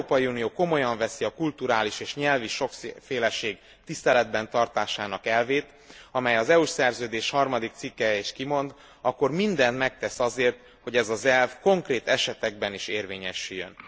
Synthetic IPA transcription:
oːpɒjiuːnijoːko̞mo̞jɒɱvɛsiɒkult̪uɾaːliʃeːʃɲɛlviʃo̞kfeːlɛʃeːɡ | t̪ist̪ɛlɛd̪̚bɛnt̪ɒrt̪aːʃaːnɒkɛlveːt̪ | ɒmɛjɒzɛuʃsɛrzøːd̪eːʃhɒrmɒd̪ik̚t̪sikːɛjeːʃkimo̞nd̪ | ɒkːo̞rmind̪ɛnt̪mɛk̚t̪ɛsɒzeːrt̪ | ho̞ɟɛzɒzɛlfko̞ŋkreːt̪ɛʃɛt̪ɛɡ̚bɛniʃeːrveːɲɛʃyjːø̰n

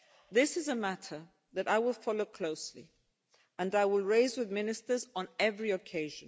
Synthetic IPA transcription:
ðɪsɨzəmæɾʰə˞ | ðɨɾaɪwɪlˠfɑloʊkʰl̥oʊsli | ə̃naɪwɪlˠɹeɪzwɨðmɪ̃nɨstə˞zn̩ɛvɹiɨkʰeɪʒɨ̃n

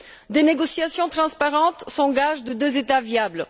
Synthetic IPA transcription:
d̪eneɡɔsjasjɔ̃t̪χɑ̃spaʁɑ̃t̪sɑ̃ɡaʒd̪əd̪øzet̪avjabl

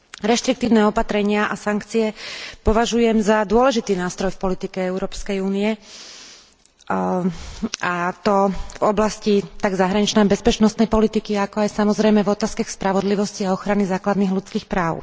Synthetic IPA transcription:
ɾɛʃt̪ɾik̚t̪iːʊnɛɔpat̪ɾɛɲɪaʔasaŋkt͡siɛpɔʋaʒujɛmzad̪ʊɔlɛʒit̪iːnaːst̪ɾɔjfpɔlit̪ikɛɛʊɾɔːpskɛjuːniɛ | at̪ɔvɔblascit̪aɡzaɦɾaɲit͡ʃnɛbɛspɛt͡ʃnɔst̪nɛjpɔlit̪ikiakɔajsamɔzɾɛjmɛvɔt̪aːskaxspɾaʋɔd̪liʋɔsciaɔxɾanizaːklad̪niːɣlut͡skiːxpɾaːʊ

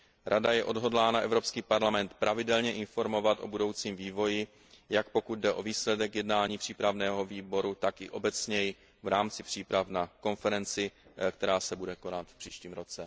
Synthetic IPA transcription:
ɾʔadajɛʔo̞dɦo̞dlaːnaʔɛvɾo̞pskiːpaɾlamɛnt̪pɾʔavɪdɛlɲɛʔɪnfo̞ɾmo̞vat̪ʔo̞̰budo̞wt͡siːmviːvo̞jɪ | jakpo̞kud̪̚dɛʔo̞viːslɛdɛkjɛdnaːɲiːpr̥iːpɾavnɛːɦo̞viːbo̞ɾut̪akʔɪ̰ʔo̞bɛt͡sɲɛjɪ | vɾaːmt͡sɪpr̝̥iːpɾavnako̞nfɛɾɛnt͡sɪkt̪ɛɾaːsɛbudɛko̞nat̪fpr̥iːʃciːmɾo̞t͡sɛ

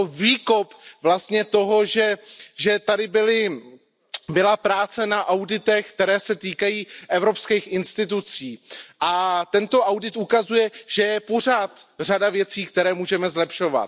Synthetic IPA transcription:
oviːko̞pvlast̪ɲɛt̪o̞ɦo̞ʒɛʒɛt̪adɪbɪlɪ | bɪlapɾaːt͡sɛnaʔawdɪt̪ɛxk̚t̪ɛɾɛːsɛt̪iːkajiːʔɛvɾo̞pskɛːxʔɪnst̪ɪt̪̬ut͡siːʔat̪ɛnt̪o̞ʔawdɪt̪ukazujɛʒ̥ɛjɛpo̞r̝aːt̪r̝adavjɛt͡siːkt̪ɛɾɛːmuːʒɛmɛzlɛpʃo̞va̰t̪

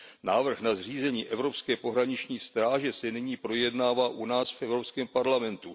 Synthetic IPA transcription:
naːvr̩xnazr̝iːzɛɲiːʔɛvɾo̞pskɛːpo̞ɦɾaɲɪt͡ʃɲiːst̪ɾaːʒɛsɛnɪɲiːpɾo̞jɛdnaːvaːʔunaːsfʔɛvɾopskɛːmpaɾlamɛnt̪u

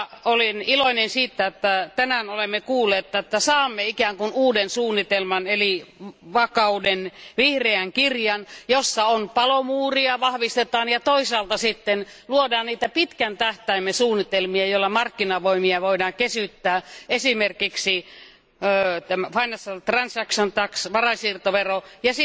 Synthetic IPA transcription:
oliniloinensiːt̪ːæet̪ːæt̪ænænolemːekuːlːˑeːt̪ːɑet̪ːæsɑːmːeikæːŋkunuːdensuːnːit̪elmɑneliʋɑkɑudenʋihreæŋkirjɑnjosːɑonpɑlomuːriɑʋɑhʋist̪et̪ɑːnjɑt̪oisɑːlt̪ɑsit̪ːenluodɑːnniːt̪æpit̪kænt̪æht̪æimːesuːnːit̪elmiɑjoĭlːɑmɑrkːinɑʋoimiɑʋoidɑːŋkesyt̪ːæːesimerkiksi | t̪æmæfɑinɑsːɑt̪rɑnsɑksont̪ɑksʋɑrɑsiːrt̪oʋerojɑsi

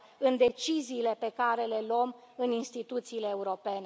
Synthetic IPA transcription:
ɨnd̪e̞t͡ʃiziːle̞pe̞kaɾe̞le̞lom | ɨninst̪it̪ut̪siːle̞ːuɾo̞pe̞ne

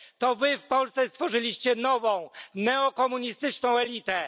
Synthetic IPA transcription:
t̪ɔvɘfpɔlst̪ɛst̪fɔʐɘlʲiɕt͡ɕɛnɔvɔ̃w̃nɛɔkɔmuɲist̪ɘt͡ʂnɔ̃w̃ɛlʲit̪ɛ

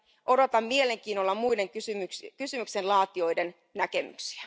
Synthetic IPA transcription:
ʔo̞do̞t̪ɑmmiele̞ŋk̟iːnolːɑmujde̞ŋksymykysymyksenlɑːt̪io̞jden | næke̞my̰ksi̥æ

